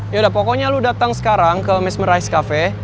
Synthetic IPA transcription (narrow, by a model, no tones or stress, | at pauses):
jadapɔkɔɲaludat̪aŋsə̥kaɾaŋkəmɪsməɾajskafɛ